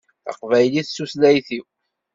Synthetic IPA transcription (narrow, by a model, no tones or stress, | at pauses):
θɑ̰qvæjliθsuslæjθiw